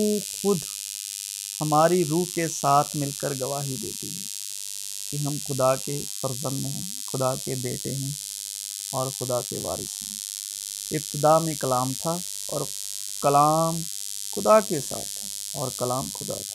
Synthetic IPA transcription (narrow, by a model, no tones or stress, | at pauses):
uxʊd̪ʱ | hɐmaːɾiɾuːɦkesaːt̪ʰmɪlkəɾɡɐʋaːɦid̪ḛːt̪iɦɛː | kiɦɐmxʊd̪akefɐɾzə̃nd̪mẽɦɛ̃ | xʊd̪akebeːʈeɦɛ̃ | ɔːɾxʊd̪akḛʋa̰ːɾɪ̰sɦɛ̃ | ɪp̚t̪ɪd̪amẽkɐlaːmt̪ʰa | ɔːɾ | kɐlaːm | xʊd̪akesa̰ːt̪ʰ | ɔːɾkɐlaːmxʊd̪a̰t̪ʰḁ